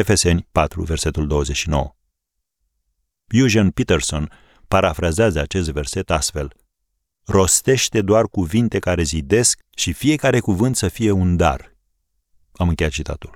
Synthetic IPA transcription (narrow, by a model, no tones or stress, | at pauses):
efe̞se̞nʲpat̪ɾṵve̞rse̞t̪uld̪o̞wəze̞ʃino̞̰wə | bjuʒanpit̪erso̞n | paɾafɾazazəat͡ʃe̞st̪ve̞rse̞t̪ast̪fe̞l | ro̞st̪e̞ʃt̪e̞d̪oarkuvint̪e̞kaɾe̞zid̪e̞sk̚ | ʃifije̞kaɾe̞kuvɨnt̪səfije̞und̪a̰r | amɨŋkejat̪t͡ʃit̪ʰa̰t̪ul